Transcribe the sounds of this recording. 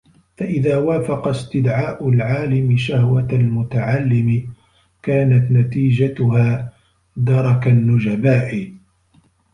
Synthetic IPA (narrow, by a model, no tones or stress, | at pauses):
faʔɪðaːwaːfɑqɑst̪ɪd̪ʕaːʔʊlʕaːlɪmɪʃahwaalmʊt̪aʕalːɪmɪ | kaːnat̪nat̪iːd͡ʒat̪ʊhaː | d̪ɑɾˤɑkanːʊd͡ʒabaːʔɪ